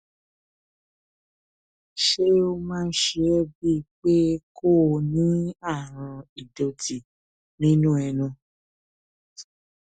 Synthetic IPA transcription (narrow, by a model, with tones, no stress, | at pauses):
ʃe˦o˦mãː˦n̩˦ʃe˧ɛ˦bi˦˨k͡pe˦kʰo˦˨nĩ˨˦a˦˨ɾ̃ã˧i˨do˧tʰi˨ | nĩ˦nũ˦ɛ˧nũ˧˨